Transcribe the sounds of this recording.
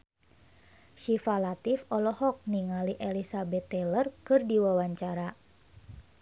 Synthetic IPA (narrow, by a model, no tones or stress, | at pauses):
ʃifalat̪ifɔlɔhɔk̚niŋaliʔelisabɛt̪ːɛlərkɨrdiwawaɲt͡ʃaɾa